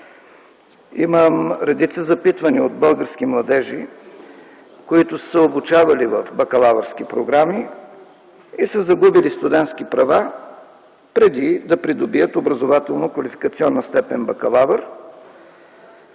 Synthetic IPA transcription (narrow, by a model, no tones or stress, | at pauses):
iməmɾɛd̪it̪səzɐpit̪vɐniod̪̚bɤlˠɡəɾsk̟imlˠɐd̪ɛʒi | koit̪ʊsəobut͡ʃavɐlivɐfbɐkɐlˠavəɾsk̟ipɾoɡɾami | isəzɐɡubilist̪ʊd̪ɛnt̪skipɾɐva | pɾɛd̪id̪ɐpɾid̪obiət̪obɾɐzovat̪ɛlˠnokvɐlifi̥kɐt̪siɔnːəst̪ɛpɛnbɐkɐlˠavəɾ